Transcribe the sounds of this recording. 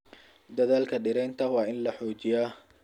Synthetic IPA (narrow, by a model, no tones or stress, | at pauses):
d̪ɐðaːlkʰɐɖɪɾɛjnt̪ʰɐwɑːɪnlɐħɔːt͡ʃɪjaː